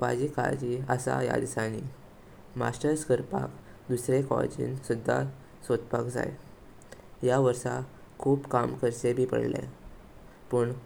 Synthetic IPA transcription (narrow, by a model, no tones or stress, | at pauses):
pad͡ʑikʰa̰d͡ʑiəsa̰ja̰d̪sani | ma̰sʈəɾskəɾpak | d̪usɾekɔ̰d͡ʑḭːnsud̪ʱːa̰ | sʋət̪pakd͡za̰j | jaʋəɾsa | kʰuːpkamkəɾsebʱiːpə̰ɽlḛ | pəɳ